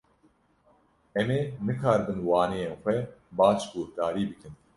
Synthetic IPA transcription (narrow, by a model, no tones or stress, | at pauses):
ɛmeːnɨkʰaːɾbɨnwɑːnejeːnxʷɛbaːʃɡoːhd̪aːɾiːbɨkɨn